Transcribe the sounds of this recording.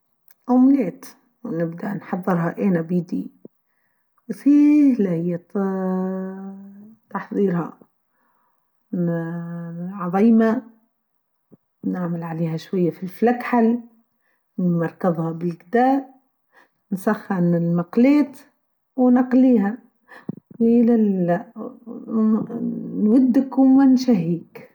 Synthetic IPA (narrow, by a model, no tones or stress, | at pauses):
ʔʊmleːt̪ | wnɪbd̪anħɑðˤːɨɾɦɑʔeːnabid̪i | wfilahɪjːa | t̪ɑħðˤiːɾhɑ̰ | ʕɑðˤiːma | naʕmɪlʕaleːhaʃwajːafilflakħal | mɑɾˤkɑðˤhɑbɪlɡd̪aːʔ | nsɑxːanɪlmɑqleːt̪ | wnɑqliːha | ɪla | nwad̪ːɪkʊmwɪnʃaɦːiːk